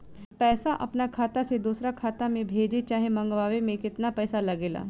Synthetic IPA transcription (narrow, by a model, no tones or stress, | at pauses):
pɛːsaʔɐ̰pnakʰaːt̪ased̪uːsɾakʰaːt̪amẽbʱeːd͡ʒet͡ʃaːɦemɐ̃ŋɡʋaːʋemẽkɪt̪napɛːsalɐɡeːla̰ː